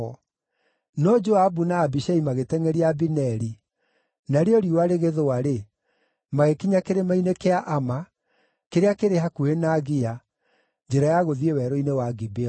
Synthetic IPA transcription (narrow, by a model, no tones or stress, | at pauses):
nɔd͡ʒoabunaːbiʃaimaɣetɛŋɛɾiabinɛɾi | naɾeɔɾiuwaɾeɣeðoaɾe | maɣekiɲakeɾemainekeaʔama | keɾeakeɾeɦakuhenaɣia | d͡ʒeɾajaɣoðiewɛɾoinewaɡibeɔ